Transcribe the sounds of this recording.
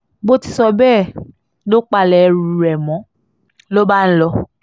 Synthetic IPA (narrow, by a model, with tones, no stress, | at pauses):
bo˦ti̥˧sɔ˧bɛː˦˨ | lo˦k͡pa˧lɛ˨˦ɾu˨ɾɛ˨mɔ̃˨˦ | lo˦ba˦n̩˦lɔ˧